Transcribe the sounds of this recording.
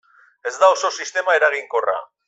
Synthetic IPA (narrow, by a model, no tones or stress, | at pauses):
e̞zd̪ao̞so̞sist̪e̞mae̞ɾaɣ̞iŋko̞ra̰